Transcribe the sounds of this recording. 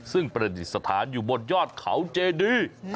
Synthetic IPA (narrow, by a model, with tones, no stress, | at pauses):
sɯ˥˩ŋpɾa˧di˨˩sa˧t̪ʰaː˩˦njuː˨˩bo˨˧t̪̚jɔː˥˩t̪̚kʰa̰˩˦wt͡ɕeː˧diː˧